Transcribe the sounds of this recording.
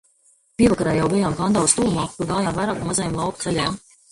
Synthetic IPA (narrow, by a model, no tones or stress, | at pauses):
piɛakaɾaːjawbijaːmkand̪awst̪uːmaːt̪uɾɡaːjaːmvajɾaːkamazajmlˠɑwkt̪sɛlʲɛm